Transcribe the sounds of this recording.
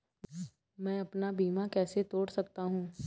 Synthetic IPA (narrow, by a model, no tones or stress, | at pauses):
mɛ̃ːɐpnabiːmakɛːset̪oːɽsɐkt̪aɦũː